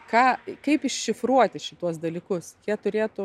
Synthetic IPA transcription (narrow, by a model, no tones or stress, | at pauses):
kɑːkɐɪpɪʃʲʃʲɪfɾuɔt̪ʲɪʃʲɪt̪uɔsd̪ɐlʲiːkʊskʲiɛt̪ʊɾʲeːt̪ʊ